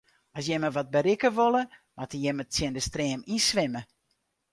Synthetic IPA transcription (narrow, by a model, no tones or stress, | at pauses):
ɔsjɛməʋɔt̚bəɾɪkəʋolˠəmatəjɛməsjɪndəstrɛːminsʋɪmə